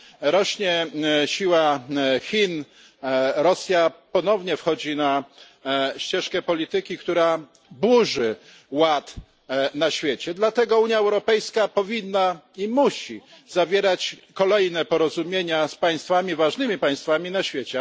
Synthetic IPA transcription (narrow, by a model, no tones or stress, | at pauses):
ɾɔɕɲɛɕiwaxʲin | ɾɔsʲjapɔnɔvɲɛfxɔd͡ʑina | ɕt͡ɕɛʂkɛpɔlʲit̪ɘkʲikt̪uɾa | buʐɘ | wat̪ | naɕfʲjet͡ɕɛd̪lat̪ɛɡɔuɲjaɛwɾɔpɛjskapɔvʲinːaimuɕizavʲjeɾat͡ɕkɔlɛjnɛpɔɾɔzumʲjeɲaspaj̃st̪famʲivaʐnɘmʲipaj̃st̪famʲinaɕfʲjet͡ɕɛ